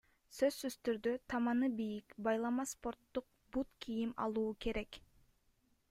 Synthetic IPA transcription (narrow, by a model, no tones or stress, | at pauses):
sø̞zːyzt̪yɾd̪yt̪ʰɑmɑnɯbijikbɑjlˠɑmɑspo̞ɾt̪ːuq̚ | but̪kʰijimɑ̰lˠuːke̞ɾe̞k